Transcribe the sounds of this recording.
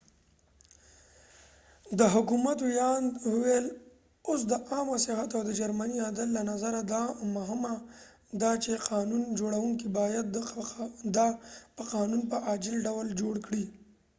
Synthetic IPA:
d̪əɦʊkumat̪wjɑnd̪wuwel | os̬d̪əʔɑmasɪɦat̪awd̪əd͡ʒaɾmaniad̪əlːanazaɾad̪ɑmʊɦɪma | d̪ɑt͡ʃeqɑnund͡ʒoɽawuŋkibɑjad̪ | d̪ɑpəqɑnunpəʔad͡ʒɪlɖawld͡ʒoɽkɽi

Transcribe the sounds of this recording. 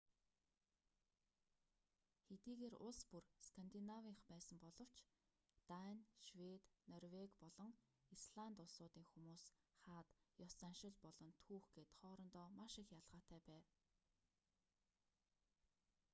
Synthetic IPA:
xet̪iːɣeːrʊɮspurskʰant̪inawiːŋχpæːsə̆mpɔɮɞ̆w̥t͡ɕʰ | t̪anʲʃwet̪nɔrwekpɔɮɞ̆ŋ | isɮant̪ʊɮsʊːt̪iːŋxumuːsχaːt̪jɔsanʃɪ̆ɮpɔɮɞ̆nt̪ʰuːxɡeːt̪χɔːɾɞ̆nt̪ɔːmaʃɪxjaɮʁaːt̪æːpæːw

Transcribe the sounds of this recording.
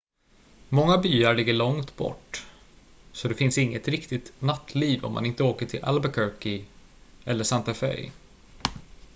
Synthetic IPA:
mɔŋːabyːaɭɪɡːəɭɔŋt̪bɔ̰ʈː | sɔd̪ɛfɪnsɪŋːət̪ɾɪkt̪ɪt̪nat̪ʰːliːvɔ̰mːa̰nɪnt̪əoːkəʈʰɪlʔa̰lbakʰœɾkɪ | ɛlːəʂant̪afɛ̰ɾ

